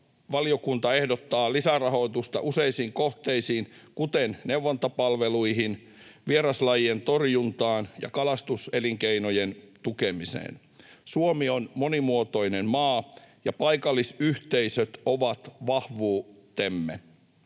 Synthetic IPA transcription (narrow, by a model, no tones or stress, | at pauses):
ʋɑlijokunt̪ɑehdot̪ːɑːlisærɑho̞it̪ust̪ɑʔuseisiːŋkoht̪eisiːnkut̪enneuʋːɑnt̪ɑpɑlʋeluihin | ʋieɾɑslɑjient̪orjunt̪ɑːnjɑ̰kɑlɑst̪useliŋkeinojent̪ukemisḛːn | suomionmonimuot̪oinemmɑːjɑpɑikɑlːisyht̪eisøt̪oʋɑt̪ʋɑhʋuː | t̪emːḛ